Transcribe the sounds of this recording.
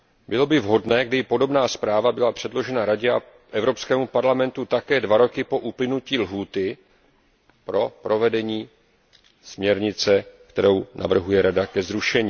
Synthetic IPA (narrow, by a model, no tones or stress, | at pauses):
bɪlo̞bɪvɦo̞dnɛːɡ̚dɪpo̞do̞bnaːspɾaːvabɪlapr̝̥ɛdlo̞ʒɛnaɾaɟɛa | ʔɛvɾo̞pskɛːmupaɾlamɛnt̪ut̪akɛːdvaɾo̞kɪpo̞ʔuplɪnuciːlɦuːt̪ɪ | pɾo̞pɾo̞vɛdɛɲiː | smɲɛɾɲɪt͡sɛkt̪ɛɾo̞wnʔa̰vr̩ɦujɛɾadakɛzɾuʃɛɲiː